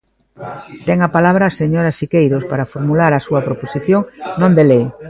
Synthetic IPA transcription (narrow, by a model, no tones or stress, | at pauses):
t̪ɛŋɐpalaβɾɐseɲoɾaʃikejɾospaɾafoɾmulaɾɐsuɐpɾoposiθjoŋnõnd̪elej